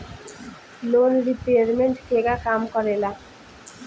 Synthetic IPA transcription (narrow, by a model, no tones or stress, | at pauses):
lonɾipeaɾmeɳʈkeɡakamkɔɾela